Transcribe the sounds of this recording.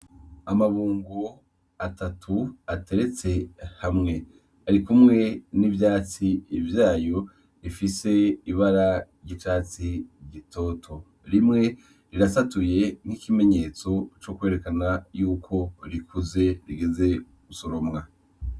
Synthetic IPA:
amaβuːŋɡo | atʰatʰuate̞ɾe̞t͡se̞hamŋe̞ | aɾikumŋe̞nivjaːt͡sivjaːjo̞ | ɾifise̞iβaɾaɾɟit͡ʃaːt͡siɟitʰo̞ːtʰo̞ | ɾimŋe̞ | ɾiɾasatuje̞n̥hikime̞ɲe̞ːt͡so̞t͡ʃo̞kwe̞ːɾe̞kanajuːkʰo̞ɾikʰuze̞ɾiɡeze̞ | ɡusoɾomŋa

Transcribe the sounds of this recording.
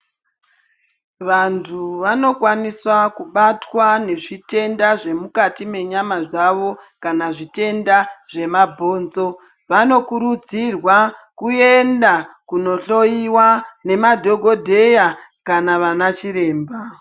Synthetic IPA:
ʋantʰuʋano̞kwaniswakuɓatwane̞ʐite̞ndaʐe̞mukatime̞ɲamaʐaʋo̞ | kanaʐite̞ndaʐ̥e̞mabʱo̞ːnzo̞ | ʋano̞kuɾud͡zirwakue̞ndakuno̞ɬo̞jiwane̞madʱo̞ɡʱo̞dʱe̞ja | kanaʋanat͡ʃiɾe̞ːmba

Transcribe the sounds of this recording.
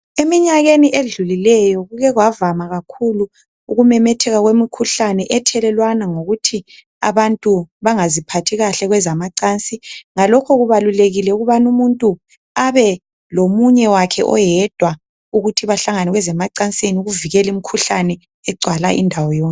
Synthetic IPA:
emiɲaɣeniʔeɮulilɛjɔɣuɣɛɣwavamaɣakʰulu | uɣumɛmɛtʰɛɣaɣwemikʰuɬanɛʔɛtʰɛlɛlwanaŋoɣutʰi | a̰βantʼuβaŋazipʰatʰiɣaɬɛɣwɛzamaǀant͡sʼiŋalɔkʰɔɣuβaluleɣilɛuɣuβanumuntʼu | aβɛ | lomuɲɛwakʰɛʔɔ̰jɛd̥ʱwa | uɣutʰiβaɬaŋanɛɣwɛzɛmaǀant͡sʼiniuɣuviɣɛlimikʰuɬanɛ | ɛɡ͡ǀʱwalaʔḭndʱawɔjɔːn

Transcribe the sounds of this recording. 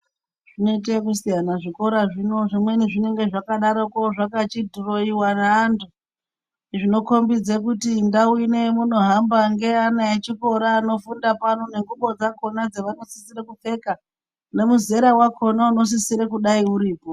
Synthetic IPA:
ʐ̥inoit̬ek̬usijanaʐiko̞ɾaʐino̞ʐimwe̞niʐine̞ŋɡe̞ʐakaɗaɾokoʐakat͡ʃidʱuro̞iwanaːntu | ʐino̞ko̞mbid͡zekutindawine̞muno̞ɦambaŋɡe̞anaet͡ʃiko̞ɾaːno̞fundapano̞ne̞ŋɡuɓo̞d͡zako̞nad͡zeʋano̞sisiɾekufe̞ka | ne̞muze̞ɾawako̞nauno̞s̬isiɾekuɗaiuɾiːpo

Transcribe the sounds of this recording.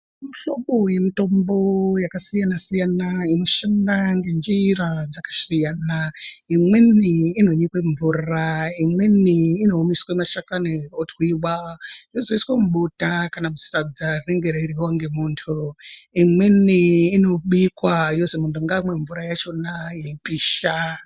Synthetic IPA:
miɬoɓoje̞mito̞mbo̞jakasijanasijanaino̞ʃandaŋɡe̞nd͡ʒirad͡zakḁsijaːna | imweniːno̞ɲikweɱvuːraimweniːno̞ːmiswemaʃakaneotwiwajozoiswamuɓutakanamu̥sad͡zareŋɡeɾaiɾiwaŋɡe̞muːntʰuimweniːno̞ɓikwaijozomuntuŋɡamwe̞ɱvuɾajat͡ʃo̞najeipiːʃa

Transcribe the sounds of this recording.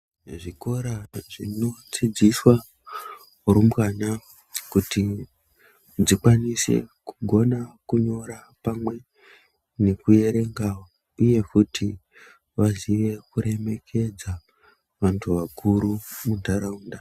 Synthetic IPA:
ʐiko̞ɾaʐino̞t͡sid͡ziswa | uɾumkana | kuti | d͡zikwanise̞̰kuɡʱo̞nakuɲo̞ɾa | pamwe̞ | ne̞kuje̞ɾe̞ŋɡao | uje̞futʰi | ʋaziʋe̞kuɾe̞me̞kʰe̞d͡za | ʋantʰuʋakuɾumundaɾauːnda

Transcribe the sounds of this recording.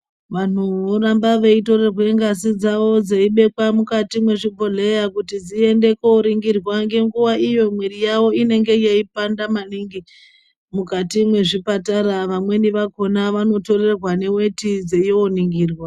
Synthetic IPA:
ʋan̤uoɾambaʋe̞ito̞rerweŋɡasid͡zaʋo̞d͡zeiɓe̞kwamukatimwe̞ʐibʱoɮejakutid͡zie̞nde̞koɾiŋɡirwaŋɡe̞ŋɡuwaʔijo̞mwirijawo̞ine̞ŋɡe̞jeipandamaniŋɡi | mukatimwe̞ʐipataɾaʋamwe̞niʋako̞naʋano̞to̞re̞rwane̞we̞tid͡zejooniŋɡiːrwa

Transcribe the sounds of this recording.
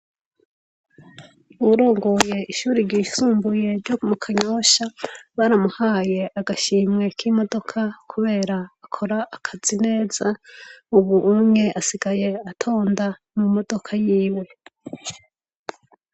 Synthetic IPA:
uβuɾoːŋɡo̞je̞ʔiʃuːɾiɾɡiːsuːmbuje̞ɾɟokumukʰaɲoːʃaβaɾamuhaːje̞ʔaɡaʃiːmŋe̞kʰimo̞do̞kʰakʰuβe̞ːɾaːkʰo̞ɾaʔːkʰaz̥ine̞ːzauβuʔumɲe̞ʔasiɡaje̞atʰo̞ːndamumo̞d̥o̞kʰajiːwe̞

